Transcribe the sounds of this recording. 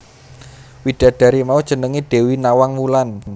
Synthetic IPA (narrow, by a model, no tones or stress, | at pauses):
wid̥a̤ɖ̥a̤ɾimaud̥ʒ̥ə̤nəŋiɖ̥e̤winawaŋmulan